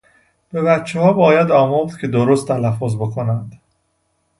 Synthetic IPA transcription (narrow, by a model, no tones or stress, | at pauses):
b̥e̞βæt̪t͡ʃʰːehɒːbɒːjæd̪ɒːmoɾd̪̥cʲʰe̞d̪oɾost̪ʰːælæfːozbe̞kʰo̞nænd̪